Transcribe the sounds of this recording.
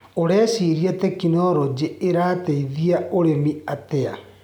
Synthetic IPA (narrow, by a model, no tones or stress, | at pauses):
oɾɛːsiɾiɛtɛkinɔɾɔd͡ʑeeɾaːteiðiaoɾemiatɛa̰